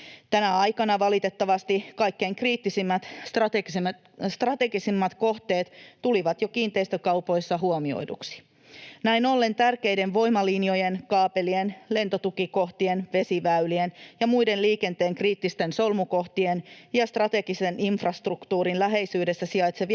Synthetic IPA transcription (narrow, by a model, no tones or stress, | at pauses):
t̪ænæɑjkɑnɑʋɑlit̪e̞t̪ːɑʋɑst̪ikɑjkːe̞ːŋkriːt̪ːisimːæt̪ɑt̪e | st̪rɑt̪e̞ɡisimːɑt̪ko̞ht̪e̞ːt̪t̪uliʋɑt̪jo̞kiːnt̪e̞ist̪økɑwpo̞jsːɑɦuomio̰jdṵksi̥ | næino̞lːe̞nt̪ærke̞jdenʋo̞jmɑlinjo̞jenkɑːpe̞lienle̞nt̪ot̪ukiko̞ht̪ienʋe̞siʋæylienjɑmuide̞nliːke̞nt̪eːŋkriːt̪ːist̪e̞nso̞lmuko̞ht̪ienjɑst̪rɑt̪e̞ɡiseniɱfrɑst̪rukt̪uːɾinlæɦe̞jsyːdesːæsiɑjt̪seʋ